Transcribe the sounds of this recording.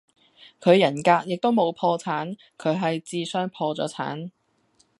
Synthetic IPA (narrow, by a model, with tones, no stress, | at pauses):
kʰɵ˨˧ɥjɐ˨˩nkaː˧k̚jɪ˨k̚t̪o˥wmo˨˧wpʰɔː˧t͡sʰaː˨˥n | kʰɵ˨˧ɥɦɐ˨jt͡siː˨˧sœː˥ŋpʰɔː˧t͡sɔ̰ː˨˥t͡sʰa̰ː˨˥n